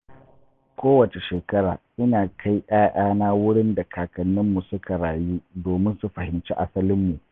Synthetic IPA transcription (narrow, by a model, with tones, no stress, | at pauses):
kʷoː˦wɐ˨t͡ʃe˨ʃeː˨kɐ˦ɽaː˨ʔɪ˦naː˨kʰa˦jʔaː˦ʔaː˦naː˦wʊ˦ɽɪ˦nda˨kʰaː˨kɐ˨nːɪ˦mːu˨sʊ˦kʰa˨ɽaː˨juː˦doː˨mɪ˦nsu˨ɸɐ˨hɪ˨mt͡ʃi˦ʔa˦sɐ˦lɪ˦mːu˨